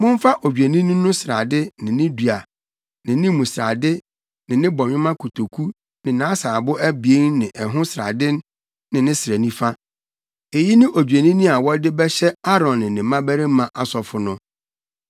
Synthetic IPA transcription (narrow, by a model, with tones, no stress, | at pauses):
mʊ̃˦m˦fa˦ʔo˨d͡ʑᶣe˨nĩ˦nʊ̃˦nʊ̃˦sɪ˨ɾa˨dɪ˦nɪ̃˨nɪ̃˦du˨a˨ | nɪ̃˨nɪ̃˦mũ˨sɪ˨ɾa˨dɪ˦ | nɪ̃˨nɪ̃˦bɔ˨ɲᶣɪ̃˦mã˦kʰu˨tʰo˨kʰu˦ | nɪ̃˨nã˨˦saː˨bʊ˦ʔæ˦bi˨e˦nnɪ̃˨ʔɛ˨ɦʊ̃˦sɾa̰˨dɪ˦n˦ | nɪ̃˨nɪ̃˦sɾæ˨nĩ˦fa˦ | e˨ji˦nɪ̃˦ʔo˨d͡ʑᶣe˨nĩ˦nĩ˦a˨wɔ˦dɪ˦bɛ˦ɕɛ˦a˦ɾɔ̃˨nːɪ̃˨nɪ̃˨mã˦bæ˦ɾe˦mã˨ʔa˨sɔ˨fʊ˦nʊ̃˦